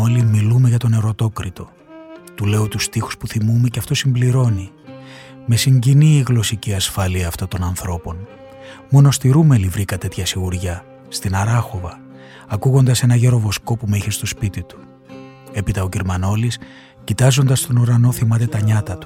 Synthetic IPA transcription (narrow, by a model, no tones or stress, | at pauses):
olimilume̞ʝɐt̪o̞ne̞ɾo̞t̪o̞kɾit̪o̞ | t̪ule̞ot̪ust̪ixu̥spuθimume̞ceɐft̪o̞simbliɾo̞ni | me̞siɲɟiniːɣlo̞siciɐsfɐliɐːft̪ot̪o̞nɐnθɾo̞po̞n | mo̞no̞st̪iɾumelivɾikɐt̪e̞t̪çɐsiɣuɾʝɐ | st̪inɐɾɐxo̞vɐː | kuɣo̞nd̪ɐse̞nɐʝe̞ɾo̞vo̞sko̞pumeiçe̞st̪o̞spit̪it̪u̥ | e̞pit̪ɐociɾmɐno̞lis | cit̪ɐzo̞nd̪ɐst̪o̞nuɾɐno̞θimɐt̪e̞t̪ɐɲɐt̪ɐt̪u̥